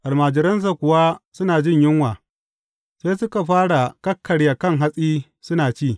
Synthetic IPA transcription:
ʔa˨lmaː˨d͡ʒɪ˨ɾɐ˦ns̬a˨kʷʊ˨wa˦sʊ˦naː˨d͡ʒɪ˦˨ɲjɪ˦ŋwaː˨ | seː˦sʊ˦ka˨ɸaː˦ɽa˨kɐ˦kʰːɐ˨ɽja˨kɐ˦ŋɦa˦sʼiː˦ | sʊ˦naː˨t͡ʃiː˦˨

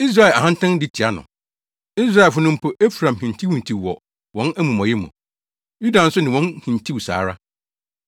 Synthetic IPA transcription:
i˦s̬ɾa˦ɛ˨a˨hã˦n˦tʰã˦n˦dɪ˦tʰi˨a˦nʊ̰̃˨ | i˦s̬ɾa˦ɛ˨fʊ˦nʊ̃˦m̩˦pʰo˦ʔe˦fɾã˨mhĩ˨n˨tʰi˦wũ˨n˨tʰi˨wwɔ̰˨ | wɔ̃˨˦næ˦mũ˨mɔ̃˨jɛ˦mṵ̃˨ | ju˦dã˨n̩˦sʊ˦nɪ̃˨wɔ̃˦nhĩ˨n˨tʰi˦wsa̰ː˨ɾa˦

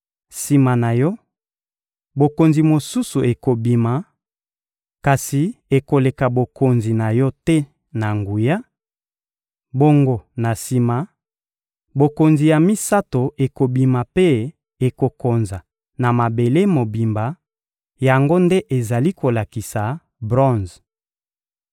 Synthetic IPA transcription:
si˨ma˨na˨jɔ˦ | bo˨ko˨nzi˨mo˨su˦su˨ʔe˨ko˨bi˨ma˨ | ka˨si˨e˨ko˨le˨ka˨bo˨ko˨nzi˨na˨jɔ˦tɛ˦ | na˨ŋɡu˨ja˦ | bo˦ŋɡo˨na˨si˨ma˨ | bo˨ko˨nzi˨ja˨mi˦sa˦to˨ʔe˨ko˨bi˨ma˨pe˦ | e˨ko˨ko˨nza˨ | na˨ma˨be˨le˦mo˨bi˨mba˨ | ja˨ŋɡo˦nde˦ʔe˨za˨li˦ko˨la˨ki˨sa˨ | bʁɔ̃˦˨nz

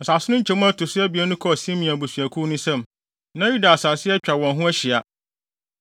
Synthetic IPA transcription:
n̩˨sa˨sɪ˦ʊ̃˦ɲ̩˦t͡ɕʰɛ˨mʊ̃˦æ˦tʰʊ˨sɪ˦ɛ˦bi˨æ˦nũ˦kʰɔ˦˨si˦ɛ˦mĩ˨a˨bo˨sɥæ˨kʰu˦nʊ̃˦sɛ̃˦˨m | nã˦ju˦da˨sa˨sɪ˦ɛ˦t͡ɕᶣa˨wɔ̃˨nɦʊ̃˦æ˦ɕɪ˨a˨

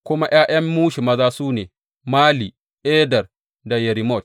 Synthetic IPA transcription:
kʷʊ˦ma˦j̰aː˦j̰ɐ˦mːuː˦ʃi˨mɐ˦zaː˦suː˦neː˨ | maː˦liː˨ | ʔeː˦dɐ˨r | da˨jɛ˨ɾi˨mɔ˦˨t̚

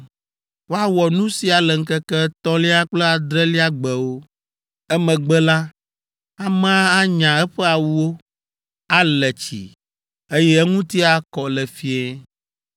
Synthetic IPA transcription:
wo˦a˦wɔ˨nũ˦si˨a˨lɛ˨ŋ̩˦kɛ˦kɛ˦t̪ɔ̃˦li˦a˦k͡plɛ˦a˨d̪ɾɛ˦li˦a˦ɡ͡bɛ˨wo˦ | ɛ˦mɛ̃˨ɡ͡bɛ˦la˦ | a˨mã˦a˦ɲã˨ɛ˦ɸɛ˦a˨wu˦wo˦ | a˦lɛ˨t͡ɕḭ˨ | e˦jɛ˦ɛ˦ŋũ˦t̪i˦a˨kɔ˨lɛ˨fi˦e˦

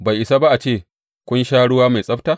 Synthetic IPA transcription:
ba˨jʔɪ˨sa˦ba˦ʔa˨t͡ʃeː˦˨ | kʷʊ˦nʃaː˦ɽʊ˦waː˦ma˨jsʼɐ˦ɸtaː˦

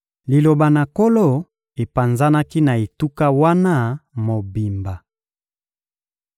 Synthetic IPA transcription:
li˨lo˨ba˨na˨ko˦lo˦ | e˨pa˨nza˦na˦ki˦na˨e˨tu˦ka˦wa˦na˦˨mo˨bi˨mba˨

